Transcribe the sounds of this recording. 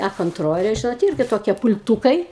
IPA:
ɐ koːnˈtroːlʲeː ˈʒʲɪnoːt ˈɪrʲɡʲɪ toːˈkʲiɛ pʊlʲˈtuːkɐɪ

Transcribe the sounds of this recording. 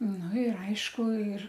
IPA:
nʊ ɪr ˈɐɪʃkʊ ɪr

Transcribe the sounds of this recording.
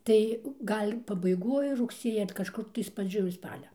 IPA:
ˈtɐɪ ˈɡɐlʲ pɐbɐɪˈɡoːj rʊkˈsʲiɛjɛ ɐr kɐʃˈkʊr tɐɪs prɐˈd͡ʒʲoːj ˈspɑːlʲɛ

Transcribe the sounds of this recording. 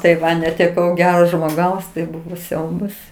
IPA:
tɐɪ ˈʋɐ nʲɛtʲɛˈkɐʊ ˈɡʲæːroː ʒmoːˈɡɐʊs tɐɪ ˈbʊʋoː ˈsʲɛʊbɐs

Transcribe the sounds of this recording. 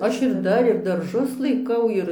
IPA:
ˈɐʃ ɪr ˈdɐr ɪr dɐrˈʒʊs lˠɐɪˈkɐʊ ˈɪr

